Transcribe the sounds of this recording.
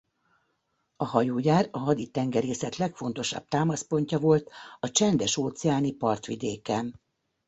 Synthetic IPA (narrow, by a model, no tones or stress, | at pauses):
ɒhɒjoːjaːrɒɦɒd̪it̪ɛŋɡɛɾeːsɛt̪lɛkfo̞n̪t̪o̞ʃɒ̰b̚t̪aːmɒspo̞ɲcɒvo̞lt̪ɒt͡ʃɛnd̪ɛʃoːt̪sɛaːnipɒrt̪ʋid̪eːkɛm